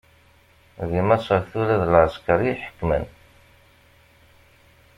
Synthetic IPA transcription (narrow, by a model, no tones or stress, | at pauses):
ðimæsˤəɾθuɾæðlʕəskəɾiħə̥kːmə̰n